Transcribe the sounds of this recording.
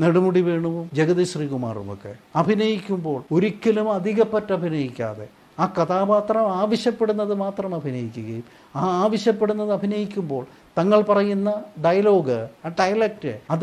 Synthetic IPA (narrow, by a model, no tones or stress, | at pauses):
neɽumuɽiʋe̞ːɳuʋmd͡ʑeɣɐðɐɕriːkuma̰ːrṵmo̰kːe̞̰ɐbʱinɐjikʲːumbo̞ːɭo̞ɾikʲːɐlumɐd̪ʱiɣɐpːɐtːɐbʱinɐjikʲːa̰ːðe̞̰ | aːkɐðaːbaːt̪rɐmaːʋɐɕjɐpːe̞ɽunːɐðɨmaːt̪rɐmɐbʱinɐjikʲːuɣɐjum | aːaːʋɐɕjɐpːeɽunːɐðɨɐbʱinɐjikʲːumbo̞ːɭ | t̪ɐŋːɐɭpɐrɐjunːɐɖɐjɐlo̞ːɡɨaːɖɐjɐlɐk̚ʈɨɐð